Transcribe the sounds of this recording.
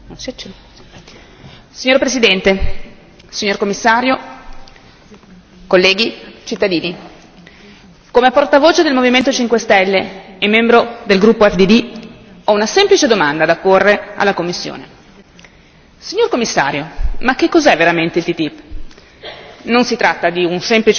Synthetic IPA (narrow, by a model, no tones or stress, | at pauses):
nonst͡ʃɛ | siɲoːɾpɾesid̪ɛnt̪e | siɲːorkomːisːaːɾjo | kolːɛːɡit͡ʃit̪ːad̪iːni | komeɛpːort̪avoːt͡ʃed̪elmoviment̪ot͡ʃiŋkwest̪ɛlːeːmːɛmbɾod̪elɡɾupːoɛfd̪id̪i | ɔunasɛmplit͡ʃed̪omand̪ad̪apːorːea̰lːakomːisːjo̰ːne | siɲːorkomːisːa̰ːɾjomakːekːɔzɛvːeɾament̪eilt̪it̪ipː | nonsit̪ɾat̪ːad̪iunsɛmplit͡ʃ